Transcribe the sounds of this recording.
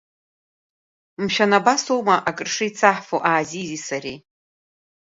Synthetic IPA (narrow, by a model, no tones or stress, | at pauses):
mʃᶣanabasowmaʔakʼɨrʂɨit͡sʰaħfoʔaːzizisaɾi